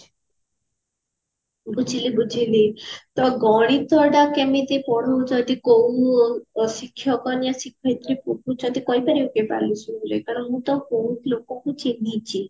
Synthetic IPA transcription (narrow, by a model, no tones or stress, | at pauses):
bud͡ʒʱilibud͡ʒʰʱilit̪ɔɡɔɽ̃it̪ɔɖakemit̪epɔɽɔud͡ʒɔd̪ikow | sikʰːjɔkɔniasikʰːɔjt̪ɾipokut͡ʃʰɔ̃nt̪ikɔjbaɾiokepa̰lusuuɾḛkaɽɔnmũt̪ɔkowklokɔkut͡ʃeɡit͡ʃʰi